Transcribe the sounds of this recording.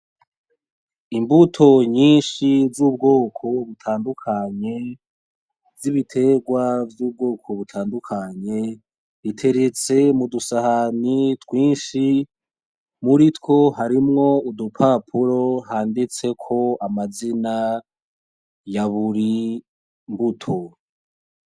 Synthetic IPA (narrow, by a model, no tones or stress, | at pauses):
imbutʰo̞ɲiːnʃivzuːb̚ɡo̞ːkʰo̞βutʰaːndukʰaɲe̞ | vziβitʰe̞ɡwavjuːb̚ɡo̞ːkʰo̞βutʰaːndukʰaɲe̞ | ɾitʰe̞ɾe̞t͡se̞mudusahanitwiːnʃi | muɾitko̞ɦaɾimŋo̞udupʰapʰuɾo̞ɦaːndit͡se̞kʰo̞amazina | jaβuɾi | mbutʰo̞